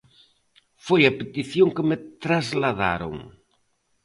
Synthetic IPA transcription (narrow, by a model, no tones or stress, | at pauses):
fojɐpet̪iθjoŋkɪmɪt̪ɾazlaða̰ɾo̰ŋ